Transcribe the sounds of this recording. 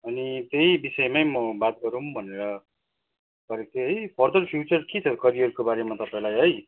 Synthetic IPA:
ʌnit̪ejbisʌemajmʌbat̪̚ɡʌɾumbʱʌneɾʌ | pʌɾek̚t̪eɦʌjpʰʌrd̪ʌrpʰjut͡sʌrkit͡sʰʌkʌɾiɦʌɾukobaɾemat̪ʌpaẽlajɦʌj

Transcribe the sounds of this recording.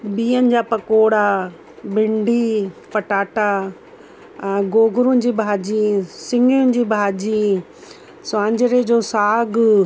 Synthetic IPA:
biːənɪ̆d͡ʑaːpɐkoːɽa | bɪ̃ɳɖʱipɐʈaːʈa | ɡoːɡʊɾʊ̃nɪ̆d͡ʑiːbʱaːd͡ʑisɪ̃ŋɡijʊ̃nɪ̆d͡ʑiːbʱaːd͡ʑi | sãːɲd͡ʑɪɾed͡ʑoːsaːɡ

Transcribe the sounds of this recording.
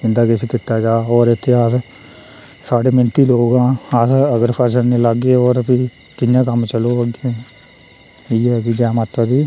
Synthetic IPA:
ɪ̃nd̪aːkɪseːkɪt̪ːaːd͡ʒaːɔːɾɪt̪ʰːeːas | saːɖeːmɪnt̪iːloːɡãːəsəɡəɾpʰəɾs̬ənneːləɡeːoːɾpi | k̪ɪjãːkəmt͡ʃəloːəɡeː | iːɛːɡiːd͡ʒɛːmət̪ːaːd̪iː

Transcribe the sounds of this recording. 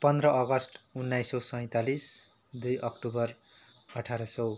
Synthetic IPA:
pʌnd̪rʌʔʌɡʌsʈunːajsowsʌj̃t̪alis | d̪ujʔʌkʈubʌr | ʌʈʰaɾʌsʌw

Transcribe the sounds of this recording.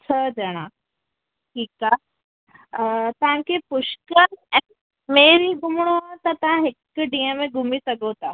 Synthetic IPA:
t͡ɕʰəd͡ʑɐɽ̃a | ʈʰiːkaː | t̪ɐʋ̤ãkʰepʊʃkəɾɛ̃ | meːɾiːɡʱumɽ̃oat̪ɐt̪ɐʋ̤ãɦɪkɖijəmẽɡʱumisɐɡot̪aː

